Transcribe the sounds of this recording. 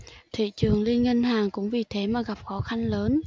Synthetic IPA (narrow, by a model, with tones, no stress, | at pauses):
t̪ʰḭ˧˨t͡ɕɨ˨˩əŋli˧ənŋi˧nɦaː˨˩ŋkʊ̰˧˥ŋ͡mvi˨˩t̪ʰe˨˦maː˨˩ɣa˨˩p̚xɔ˨˦xa˧ŋləː˨˦n